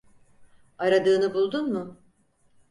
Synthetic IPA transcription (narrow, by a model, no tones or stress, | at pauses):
aɾad̪ɯːnɯbulˠd̪unmʊ